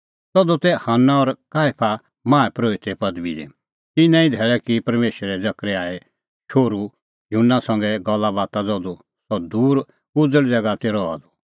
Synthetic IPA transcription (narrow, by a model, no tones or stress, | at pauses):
t̪ɔd̪ut̪ɛhanːaɔɾkaːepʰa | mãːɛpɾoːit̪ɛpɐd̪bid̪ɛ̰ | t̪ɪnɛ̃ĩd̪ʱɛːɭɛkipɐɾmeːʃɾɛd͡zɐkɾɛaːɛ | ʃʰoːɾu | jɦunːasɐ̃ŋɡɛɡɔlːabaːt̪ad͡zɔd̪u | sɔd̪uːɾ | ʊd͡zəɭd͡zɛɡat̪eːɾɔa̰d̪ɔ